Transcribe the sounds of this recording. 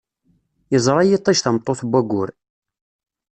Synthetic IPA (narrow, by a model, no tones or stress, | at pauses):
jəzˤɾˤɑjit̪ˤːiʃθəmt̪ˤːoθbʷæɡʷʊɾ